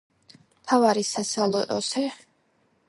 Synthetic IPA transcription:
mt̪ʰavaɾisasalˠɔt̪ʼɔsɛ

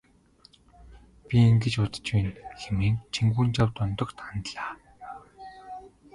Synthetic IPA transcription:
pʲiiŋɡɘ̆t͡ɕʊt̪ə̥̆t͡ɕpeːnxemiːŋt͡ɕʰiŋɡuːnt͡ɕawt̪ʊnt̪ɞ̆kt̪ʰant̪ɮaː

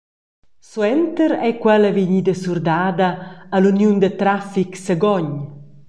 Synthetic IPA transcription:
swɛnt̪əɾɛkwɛlaviɲid̪əsurd̪aːd̪aːlunjund̪ət̪ɾafiksəɡɔɲ

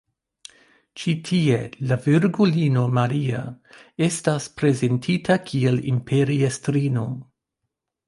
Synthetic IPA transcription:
t͡ʃitʰie̞laviɾɡulino̞maɾia̰e̞staspɾe̞ze̞ntʰitʰakʰielḭmpʰe̞ɾiestɾino̞

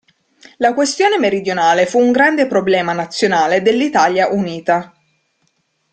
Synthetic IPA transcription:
lakwest̪joːnemeɾid̪jonaːlefuːŋɡɾand̪epɾoblɛːmanat̪sːjonaːled̪elːit̪aljaʔuniːt̪a

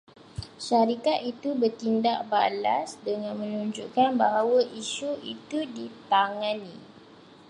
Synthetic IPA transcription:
ʃaɾikat̪it̪ubərt̪indaʔ̚balasdəŋãnmə̃nuɲd͡ʒuʔkanbaɦawaʔiʃuit̪udit̪aŋãni

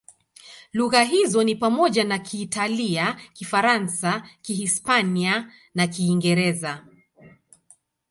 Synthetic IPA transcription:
luɣaɦizɔnipamɔʄanakʰiːtaliakifaɾansakihispania | nakiːŋɡɛɾɛza

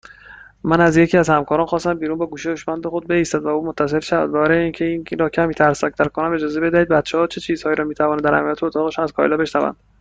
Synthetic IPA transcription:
mænæzje̞cʰiːæzhæmkʰɒːɾɒːnxɒːst̪æmbiːɾunbɒːɡuːʃeoʃmænd̪exo̞d̪̚beist̪æd̪væuːmot̪ʰːæse̞lʃævæ̰d̪̚bæɾɒjeiːncʰeiːnɾɒːcʰæmiːt̪ʰæɾsæk̚t̪ʰæɾkʰonæme̞d͡ʒɒːze̞be̞d̪æhid̪bæt̪t͡ʃʰehɒːt͡ʃʰe̞t͡ʃʰiːz̥hɒːjiːɾɒːmiːt̪ʰævɒːnæd̪æɾhæ̰mjæt̪ʰeot̪ʰɒːɣeʃumæz̥kʰɒ̰jlɒbe̞ʃnævæ̰nd̪

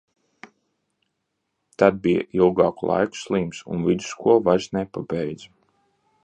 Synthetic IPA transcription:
t̪ad̪̚bija̰ʔilˠɡɑːkulˠa̰jku̥slˠiːmsṵnvid̪u̥skuɔvaʒznɛpabɛjd̪zu

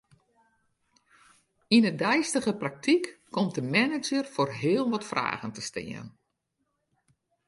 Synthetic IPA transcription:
inədɛjstəɣəprak̚tʰikːɔmt̚dəmɛnɪd͡ʒərfoːrɦɪəlˠʋɔtfra̰ːɣəntəstɪ̰ən

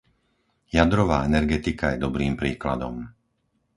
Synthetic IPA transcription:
jad̪ɾɔʋaːɛnɛɾɡɛt̪ikajɛd̪ɔbɾiːmpɾiːkla̰d̪ɔm

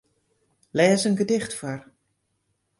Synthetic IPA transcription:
lɛːzənɡədɪxtfar

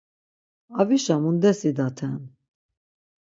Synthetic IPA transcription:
ɑviʃɑmund̪ɛsid̪ɑt̪ʰɛn

